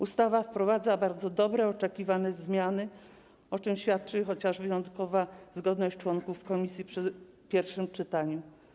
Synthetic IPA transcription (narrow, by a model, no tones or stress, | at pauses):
ust̪avafpɾɔvad̪zabaɾd̪zɔd̪ɔbɾɛɔt͡ʂɛkʲivanɛzmʲjanɘ | ɔt͡ʂɘmɕfʲjat̪̚t͡ʂɘxɔt͡ɕaʐvɘjɔnt̪kɔvazɡɔd̪nɔɕt͡ɕt͡ʂwɔŋkufkɔmʲisʲjipʂɘ | pʲjɛɾfʂɘmt͡ʂɘt̪aɲɛ